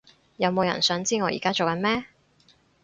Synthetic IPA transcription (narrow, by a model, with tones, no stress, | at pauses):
jɐ˨˧wmo˨˧wjɐ̰˨˩nsœː˨˥ŋt͡siː˥ŋɔː˨˧jḭː˨˩kaː˥t͡so˨wkɐ˧nmɛː˥